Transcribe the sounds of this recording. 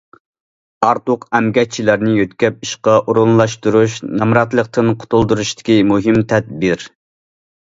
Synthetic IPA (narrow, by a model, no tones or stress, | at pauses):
ɑɾt̪ʊqɛmɡʲɛt͡ʃʰilæɾnɪjøt̪kʲɛp̚iʃqɑʔuɾunlˠɑʃt̪uɾuʃnɑmɾɑt̪lˠəq̚t̪ʰɨnqʰʊ̥t̪ʰulˠd̪uɾuʃt̪ɪ̥kʲimuɦɨmt̪ʰɛd̪̚bɪɾ